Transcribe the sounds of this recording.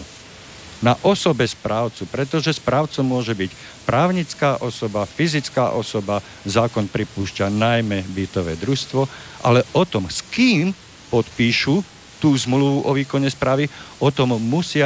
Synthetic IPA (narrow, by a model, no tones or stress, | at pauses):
naʔɔsɔbɛspɾaːʊt͡supɾɛt̪ɔʒɛspɾaːʊt͡sɔmʊɔʒɛbic | pɾaːʊɲit͡skaːʔɔsɔbafizit͡skaːʔɔsɔba | zaːkɔnpɾipuːʃcanajmɛbit̪ɔʋɛ̰ːd̪ɾust̪ʋɔʔa̰lɛʔɔt̪ɔmskiːm | pɔt̪piːʃu | t̪uːzmluʋuʔɔʋiːkɔɲɛspɾaːʋiʔɔt̪ɔmːusɪa